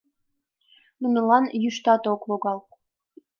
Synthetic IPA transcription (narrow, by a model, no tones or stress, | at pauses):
nunəlɑnjyʃt̪ɑt̪okβoɣɑl